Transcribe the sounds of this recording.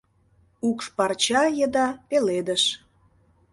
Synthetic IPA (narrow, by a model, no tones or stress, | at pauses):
ukʃpɑrt͡ɕɑjəd̪ɑpeled̪əʃ